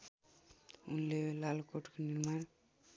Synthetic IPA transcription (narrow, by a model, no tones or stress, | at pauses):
ṵnlelalokoʈkoniɾman